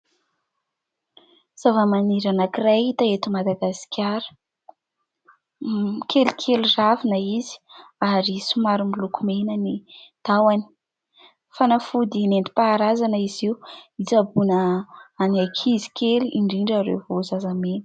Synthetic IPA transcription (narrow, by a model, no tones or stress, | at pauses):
z̥avəmaniɾanakirait̪aet̪umad̪aɡasi̥kʲʰjaɾə̥ | kʰelikʰeluravinəizi̥aɾisumaɾumilukumenənid̪̥awani̥ | fanafud̪inent̪i̥paːɾazanəiziuit͡sabunəaniakʰizi̥kʲʰeliʔiɳɖ͡ʐiɳɖ͡ʐaɾḛvozazamenə̥